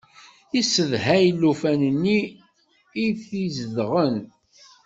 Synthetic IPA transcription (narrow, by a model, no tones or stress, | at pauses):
isəðhæjlːufænənːiː | iθizəðʁən